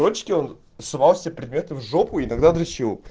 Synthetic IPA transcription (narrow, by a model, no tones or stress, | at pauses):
ɾot͡ɕːɪ̥kʲɪon | sʊvalˠsʲɪapɾʲɪd̪mʲe̞t̪ɨvʐopʊiːnɐɡd̪ad̪ɾɐɕilˠ